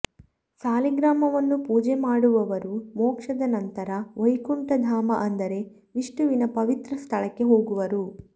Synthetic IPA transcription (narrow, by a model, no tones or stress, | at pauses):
saːliɡɾaːmɐʋɐnːupuːd͡ʒemaːɽuʋɐʋɐɾumoːkʂɐd̪ɐnɐnt̪ɐɾɐʋojkuɳʈɐd̪ʱaːmɐʔɐnd̪ɐɾe̞ | ʋiʂʈuʋinɐpɐʋit̪ɾɐst̪ʰɐɭɐkːe̞ɦo̞ːɡuʋɐɾu